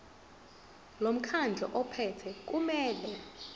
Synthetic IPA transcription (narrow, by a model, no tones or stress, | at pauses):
lom̩kʰand͡ɮʱɔ̰ʔɔpʰɛtʰɛk̬ʼumɛːlɛ